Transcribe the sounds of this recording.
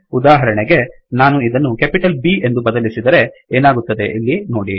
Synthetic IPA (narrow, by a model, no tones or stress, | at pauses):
ud̪aːɦɐɾɐɳeɡe̞ | naːnuid̪ɐnːukepiʈɐlbiːe̞nd̪ubɐd̪ɐlisid̪ɐɾe̞ | eːnaːɡut̪ːɐd̪e̞ʔilːino̞ːɽi